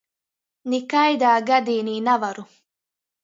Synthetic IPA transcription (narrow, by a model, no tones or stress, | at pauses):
nikajd̪aːɡad̪iːniːnavaɾu